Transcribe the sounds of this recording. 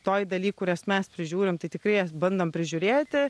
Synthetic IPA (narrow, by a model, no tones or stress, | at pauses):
t̪oːjd̪ɐlʲiːkkːʊɾʲɛsmʲɛspʲɾʲɪʒʲuːɾʲɪmt̪ɐɪt̪ʲɪkɾɐɪjɛsbɐnd̪ɐmpʲɾʲɪʒʲʊɾʲeːt̪ʲɪ